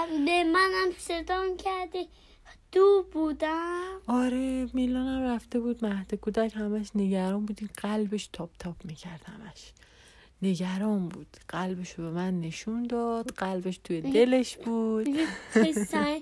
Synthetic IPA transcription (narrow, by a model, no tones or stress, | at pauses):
bemænamset̪ɒnkʰæɾd̪i | d̪̥ubud̪æɒːɾemilɒːnæmɾæft̪e̞buːd̪mæhd̪ekʰud̪æchæmæʃneɟæɾɒːnbuːd̪iɢælbeʃt̪ʰɒːb̥t̪ʰɒbmiːcʰæɾd̪hæmæʃ | neɡæɾɒːmbuːd̪̥ɢælbeʃobemænːeʃund̪ɒd̪̥ɢælbe̞ʃt̪ʰujed̪e̞leʃb̥uːd̪̥